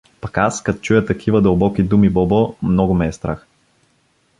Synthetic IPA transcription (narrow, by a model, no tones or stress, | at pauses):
pɐkaskɐt̪o̥t͡ʃujət̪ɐkʰivəd̪ɐlˠbɔkid̪umibɔbomnɔɡʊmɛːst̪ɾax